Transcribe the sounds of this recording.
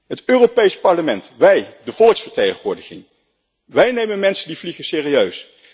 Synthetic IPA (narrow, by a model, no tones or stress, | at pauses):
ɦətøːropejspɑɹləmɛntʋɛjdəv̥ɔlˠəksfəɹtejχəʋʊːɹdɪχɪ̰ŋ | ʋɛjnejmənmɛnsəndivliχəsɪːriøɥs